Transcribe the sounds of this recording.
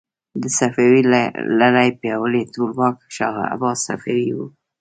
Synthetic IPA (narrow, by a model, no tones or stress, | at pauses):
d̪əsafawilaɾajpjɑwəlet̪olmɑkʃaɣa̰a̰bɑsa̰fawiwu